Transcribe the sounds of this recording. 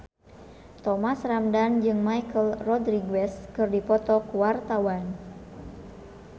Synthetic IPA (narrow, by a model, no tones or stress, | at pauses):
t̪ɔmasramdand͡ʒɨŋmajkəlrɔdɾiɡɛskɨrdipɔt̪ɔkuwart̪awan